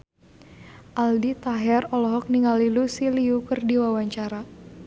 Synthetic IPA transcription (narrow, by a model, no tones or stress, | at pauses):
ʔaldit̪aɦɛrɔlɔɦɔk̚niŋalilusiliukɨrdiwawaɲt͡ʃaɾa